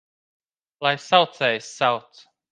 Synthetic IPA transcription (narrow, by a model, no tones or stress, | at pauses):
laɪsaʊθeɪsaʊθ